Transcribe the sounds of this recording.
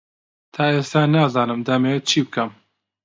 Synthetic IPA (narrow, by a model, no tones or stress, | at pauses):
t̪ʰaːeːst̪aːnaːzɑːnɨmd̪ɐmet͡ʃʰiːbkɐm